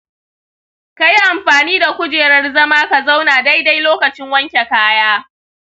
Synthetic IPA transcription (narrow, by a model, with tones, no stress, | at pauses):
ka˨ji˦ʔa˨mɸaː˨niː˦da˨kʷʊ˦d͡ʒeː˨ɾɐ˦rzɐ˦maː˦ka˨za˦wnaː˨da˦jda˦jloː˦kɐ˨t͡ʃɪ˦ŋwɐ˦ŋkʲe˨kaː˦jaː˦